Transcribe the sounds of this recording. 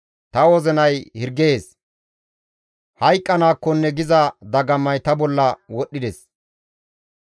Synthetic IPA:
t̪ɐwɔzɛnɐjhɪɾɡe̞ːs | hɐjkʼːɐnaːkːɔnːɛɡɪzɐd̪ɐɡɐmːɐjt̪ɐbɔlːɐwɔɗːɪd̪ɛs

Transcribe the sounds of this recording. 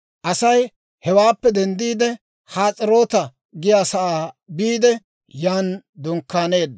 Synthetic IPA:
ʔɐsɐj | hɛwaːpːɛd̪ɛnd̪iːd̪ɛ | haːt͡sʼɪɾo̞ːt̪ɐ | ɡɪjaːsɐʔaːbiːd̪ɛ | jaːnd̪ʊŋkːaːne̞ːd̪ː

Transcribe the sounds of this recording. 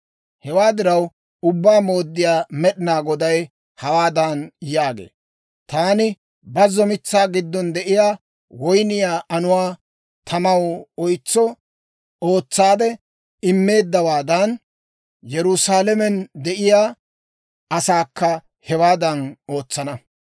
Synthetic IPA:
hɛwaːd̪ɪɾɐw | ʊbːaːmo̞ːd̪ːɪjaːmɛɗɪnaːɡɔd̪ɐj | hɐwaːd̪ɐnjaːɡḛː | t̪aːnɪ | bɐzɔmɪt͡sːaːɡɪd̪ːɔnd̪ɛʔɪjaː | wɔjnɪjaːʔɐnʊwaː | t̪ʰɐmɐwɔjt͡sːɔ | o̞ːt͡sːaːd̪ɛ | ɪmːe̞ːd̪ːɐwaːd̪ɐn | jɛɾʊsaːlɛmɛnd̪ɛʔɪjaː | ɐsaːkːɐ | hɛwaːd̪ɐno̞ːt͡sːɐnɐ

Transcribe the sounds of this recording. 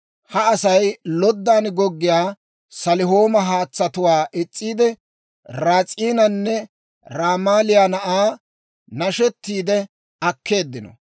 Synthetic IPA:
hɐɐsɐjlɔd̪ːaːnɡɔɡːɪjaː | sɐlɪɦoːmɐɦaːt͡sːɐt̪ʊwaːʔɛt͡sʼːiːd̪ɛ | ɾaːt͡sʼiːnɐnːɛ | ɾaːmaːlɪjaːnɐʔaː | nɐʃɛt̪ːiːd̪ɛ | ɐkːe̞ːd̪ːɪnɔ̰

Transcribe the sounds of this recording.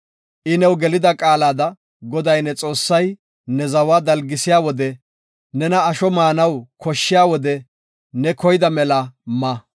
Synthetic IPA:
ʔɪnɛwɡɛlɪd̪ɐkʼaːlaːd̪ɐ | ɡɔd̪ɐjnɛt͡sʼo̞ːsːɐj | nɛzɐwaːd̪ɐlɡɪsɪjaːwɔd̪ɛ | nɛnɐːʃɔmaːnɐwkʰɔʃːɪjaːwɔd̪ɛ | nɛkɔjɪd̪ɐmɛlɐmɐ

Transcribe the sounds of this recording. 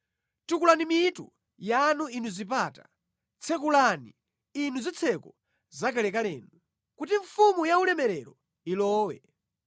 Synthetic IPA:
tukulanimitṵ | januinuzip̬aːta | t͡sʰɛkulanḭ | inuzit͡sʰɛkɔ | zakalɛkalɛːnu | kut̬iɱfumujaulɛmɛɾɛɾɔ | ilɔːwɛ̰

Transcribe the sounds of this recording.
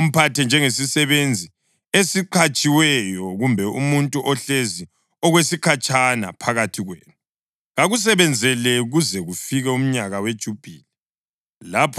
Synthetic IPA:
um̩pʰatɛnd͡ʒʱɛŋesisɛβend͡zʱi | esiǃʰat͡ʃʼiwɛjɔɣumbʱɛumuntʼuʔɔɬezi | ɔɣwesikʰat͡ʃʼana̰pʰaɣatʰiɣweːnu | ɣaɣus̬ɛβɛnd͡zʱɛlɛɣuzɛɣufiɣɛum̩ɲaɣawed̥ʒ̥ʱub̥ʱiːlɛ | lapʰ

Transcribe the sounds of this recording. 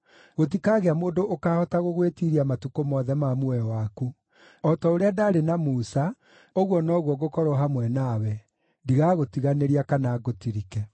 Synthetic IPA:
ɣot̬ikaɣeamoːndoʔːkaːhɔtaɣoɣwetiɾiamatukomɔðɛmamwɛwaku | ɔtɔoɾeadaːɾenamusa | oɣwɔnɔɣwɔɣokɔɾɔɦamwɛnawɛ | ndiɣaɣotiɣaneɾiakanaɡotiɾikɛ

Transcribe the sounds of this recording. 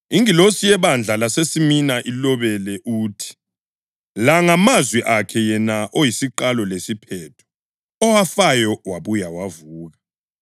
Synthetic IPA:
iŋilosijɛβand͡ɮʱalasesiminaʔilɔβɛlɛʔuːtʰi̥ | laŋamazwiʔakʰɛjɛnaʔojisiǃalɔlesipʰɛːtʰɔ̥ | ɔwafajɔwaβujawavuːɣa

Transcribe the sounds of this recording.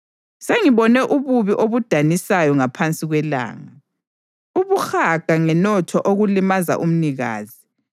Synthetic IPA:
seŋiβɔnɛʔuβuβiʔoβud̥ʱanisajɔŋapʰant͡sʼiɣwɛla̰ːŋa | uβuxaɡ̥ʱaŋɛnɔtʰɔʔoɣulimaza̰ʔum̩niɣa̰ːzi

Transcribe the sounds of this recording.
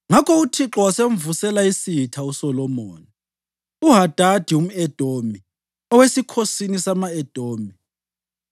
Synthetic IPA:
ŋakʰɔutʰiǁɔwasem̩vusɛlaisitʰausɔlɔmɔːni | uɦad̥ʱad̥ʱium̩ɛd̥ʱoːmi | ɔwesikʰosinisamaɛd̥ʱoːmi

